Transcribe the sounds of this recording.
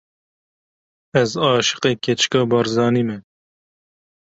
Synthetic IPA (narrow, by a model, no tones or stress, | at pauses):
ɛzɑːʃɨ̥qeːkʰɛt͡ʃkɑːbɑːɾzɑːniːmɛ